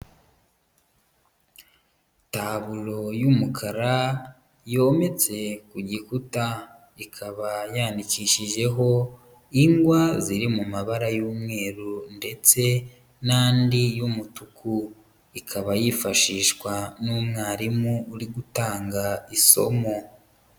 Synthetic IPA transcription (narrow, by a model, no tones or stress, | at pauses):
taβulo̞jumukʰaɾa | jo̞ːme̞t͡se̞kuɟikuta | ikʰaβajandikiʃiʒe̞ɦo̞ | iŋɡwaziɾimumaβaɾajuːmŋe̞ːɾunde̞t͡se̞ | naːndijumutuku | ikʰaβajifaʃiːʃkwanuːmŋaːɾimuːɾiɡutaːŋɡaiso̞̰mo̞